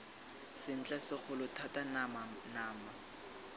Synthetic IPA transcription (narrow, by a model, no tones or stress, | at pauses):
sɪn̩t͡ɬʼasɪk͡xʰʊlʊtʰatan | naːma